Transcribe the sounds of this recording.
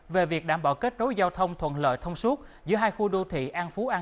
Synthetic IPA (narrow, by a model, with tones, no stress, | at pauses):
ve˨˩vi˨˩ək̚ɗaː˧˩mɓaː˧˩wke˦˥t̚no˨˦jzaː˧wt̪ʰə˧wŋ͡mt̪ʰwə̰˧˨nlə̰ː˧˨jt̪ʰə˧wŋ͡mswu˦˥t̚zɨ̰˧˥əɦaː˧jxu˧ɗo˧t̪ʰḭ˧˨ʔaː˧nfu˨˦ʔaː˧